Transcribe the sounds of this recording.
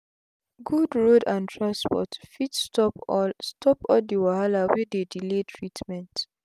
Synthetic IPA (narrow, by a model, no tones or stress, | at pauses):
ɡudɹodãntʰɹãnspɔ̰tfitstɔpstʰɔpɔldiwahalawedediletʰɹitmɛ̃nt